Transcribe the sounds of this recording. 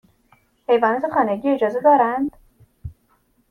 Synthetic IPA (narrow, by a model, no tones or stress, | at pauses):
pʰe̞jvɒːnɒːt̪ʰexɒːneɡiːe̞d͡ʒɒːze̞d̪ɒːɾænd̪̥